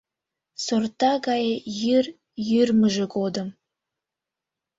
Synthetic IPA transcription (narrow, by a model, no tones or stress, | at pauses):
sort̪ɑɣɑjejyr | jyrməʒĕɡod̪əm